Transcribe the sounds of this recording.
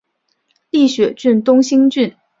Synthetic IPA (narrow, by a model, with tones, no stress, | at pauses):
li˥˩ɕɥɛ˨˩˦t͡ɕy˥˩nt̪ʊ˥ŋɕi˥ŋt͡ɕy˥˩n